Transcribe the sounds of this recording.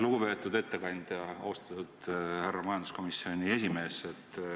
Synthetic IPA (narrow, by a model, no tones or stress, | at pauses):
luɡ̥upe̞ːt̪ːˑud̪e̞t̪ːe̞kɑnʲd̪̥jɑɑ̰wst̪ɑ̥t̪ːud̪̥hærːɑmɑjɑnd̪u̥sko̞misːio̞nʲie̞sʲime̞ːse̞t̪ːˑ